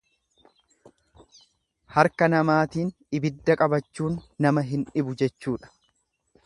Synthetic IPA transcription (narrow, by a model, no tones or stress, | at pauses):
hɐɾkɐnɐmaːt̪iːnᶑɪbɪd̪ːɐkʼɐbɐt͡ʃːuːnːɐmɐɦɪnᶑɪbʊd͡ʒɛt͡ʃːuːᶑɐ̥